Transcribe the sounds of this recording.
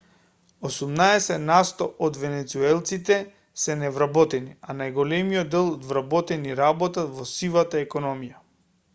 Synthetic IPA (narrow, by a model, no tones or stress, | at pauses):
osumnaɛsɛt̪nast̪ɔʔɔd̪vɛnɛt̪suɛlˠt̪sit̪ɛ | sɛnɛvɾabɔt̪ɛnianajɡɔlɛmijɔd̪ːɛlˠd̪vɾabɔt̪ɛniɾabɔt̪at̪vɔsilat̪aɛkɔnɔmija